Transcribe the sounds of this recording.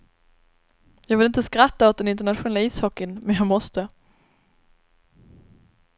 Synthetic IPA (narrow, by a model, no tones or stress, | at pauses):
jɑːɡvɪlɪnt̪əskɾat̪ːaɔt̪̚d̪ɛnɪnt̪əɳat̪ɧʊnɛlːaiːshɔkːənmɛnjɑːɡmɔst̪ə